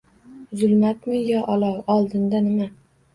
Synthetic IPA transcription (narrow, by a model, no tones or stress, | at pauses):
zʊlˠmat̪mɪjɒʔɒlˠɒwɒlˠd̪ɪnd̪anɪma